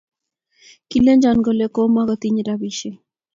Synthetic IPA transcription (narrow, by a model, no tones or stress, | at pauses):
kilend͡ʒanɡolekomaɣət̪iɲɾaβiʃe